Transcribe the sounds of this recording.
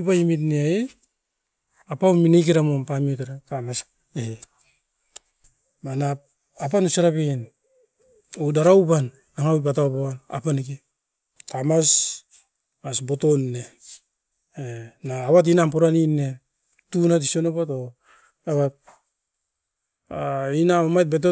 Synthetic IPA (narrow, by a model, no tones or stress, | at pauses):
pajmit̬neae | apawminek̬eɾamompamiotaɾatamas | ehe | mana | apanusaɾapen | odaɾawpan | aŋawp̬atawpawana̰panike | tamas | masbo̞tonne | enaːwat̬inampoɾaninːe | tunat̬isonopato | aβa | inamomajt̚bet̬o